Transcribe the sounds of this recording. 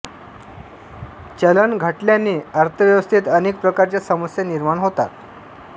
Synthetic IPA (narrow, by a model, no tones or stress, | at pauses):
t͡ɕeləɳɡʱaʈljanːiːəɾt̪ʰəʋjəʋəst̪ʰit̪əneːk̚pɾəkaɾt͡ɕjasəməsjaniɾmaɳɦot̪a̰t̪̚